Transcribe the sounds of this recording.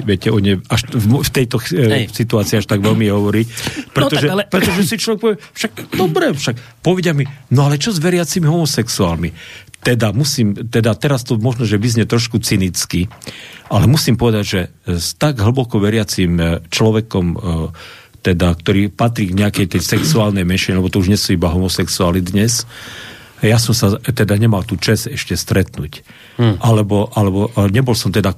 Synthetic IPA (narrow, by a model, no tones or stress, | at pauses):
ʋɪɛcɛɔɲɛaʃmft̪ɛjt̪ɔsit̪uaːt͡siːaʃt̪aɡʋɛlmiɛɦɔʋɔɾicpɾɛt̪ɔʒɛpɾɛt̪ɔʒɛsit͡ʃlɔʋɛk̚pɔʋiɛfʃaɡd̪ɔbɾɛfʃak | pɔʋɛɟɪaminɔalɛt͡ʃɔzʋɛɾɪat͡simiɦɔmɔsɛksuaːlmit̪ɛd̪amusiːmt̪ɛd̪at̪ɛɾast̪ɔmɔʒnɔʒɛʋizɲɛt̪ɾɔʃkut͡sinit͡skialɛmusiːmpɔʋɛd̪aɟʒɛst̪aɡɦl̩bɔkɔʋɛɾɪat͡simt͡ʃlɔʋɛkɔm | t̪ɛd̪ak̚t̪ɔɾiːpat̪ɾiːɡɲɛakɛjt̪ɛjsɛksuaːlnɛjmɛnʃiɲɛlɛbɔt̪ɔuʒɲɛsuibaɦɔmɔsɛksuaːlnid̪ɲɛs | jasɔmsat̪ɛd̪aɲɛmalt̪uːt͡ʃɛzɛʃcɛst̪ɾɛt̪nuːc | ʔalɛbɔʔalɛbɔɲɛbɔlsɔmt̪ɛd̪a